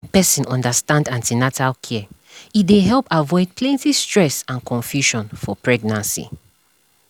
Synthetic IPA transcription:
pɛsĩnɔ̃ndəstãndãntʰinatʰalkʰɛ | it̚deɦɛlˠpavɔɪd̚pʰlɛ̃ntistɹ̥ɛsãnkʰɔ̃ɱfjuʃɔ̃nfɔpʰɹɛɡnãnsḭ

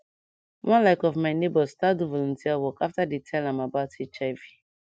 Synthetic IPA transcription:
wʔɔ̃nlaɪkɔvmaɪnebɔstaduvɔlɔ̃ntiawɔkaftadetʰɛlãmabaʊtet͡ʃaɪvi

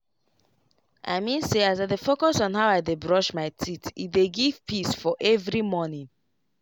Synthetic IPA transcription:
ʔa̰ɪmĩnseazaɪdefokɔsɔ̃n̩ɦaʊaɪdebɹɔʃmaɪtʰitʰḭdeɡiv̥pʰisfɔʔɛvɹimɔnĩn

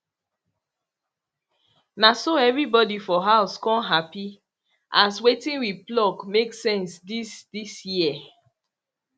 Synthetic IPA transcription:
nasoɛvɹibɔdifɔɦaʊskɔ̃nɦapi | ʔaswetĩnwiplɔkmeksɛ̃nsdisdisji

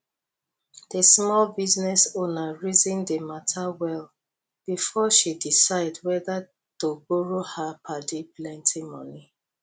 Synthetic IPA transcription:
desmɔlbiznɛsonaɹizĩndematʰawɛl | b̥ifɔʃidisaɪdwɛða | toboɹohapʰadiplɛ̃ntʰimɔ̰ni

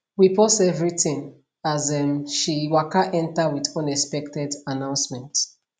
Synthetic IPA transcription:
wipɔsɛvɹiθĩŋ | azɛmʃiwakaʔɛ̃ntawidɔ̃nɛspɛk̚tɛdanãʊ̃nsmɛ̃nt

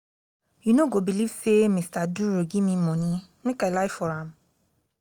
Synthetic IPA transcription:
junoɡobilivsemistaduɾoɡĩmĩmɔ̃nĩnĩkalaɪfɔɾãm

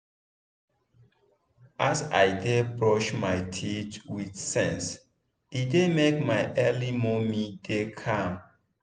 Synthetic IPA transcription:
ʔasa̰jdebɹɔʃmajtʰitwidsɛ̃ns | idemekmaɪʔɛlimɔmidekʰãm

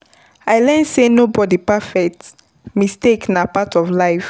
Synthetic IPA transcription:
aɪlɛ̃nsenobɔdipafɛk̚t | misteknapatɔvlaɪf

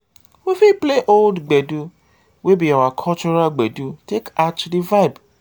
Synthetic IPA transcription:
wefipleʔoldɡ͡bɛdu | webiawakʰɔt͡ʃuɾaɡ͡bɛdutekat͡ʃdivajb

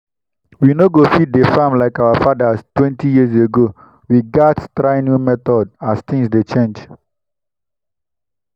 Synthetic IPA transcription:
winoɡofid̚defãmlaɪkaʊafadastwɛ̃ntʰijis̬eɡo | wiɡattɾaɪnjumɛt̪ɔdast̪ĩŋsdet͡ʃẽnd͡ʒ

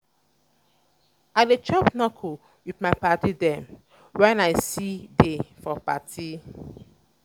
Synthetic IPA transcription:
avet͡ʃɔpnɔkʰu | witmaɪpatidɛ̃m | wɛnaɪsidefɔpa̰tʰi

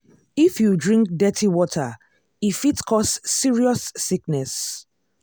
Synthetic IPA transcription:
ifjudɹĩŋk̚dɛtʰiwɔtʰa | ifitkʰɔsːiɹiɔsːiknɛs

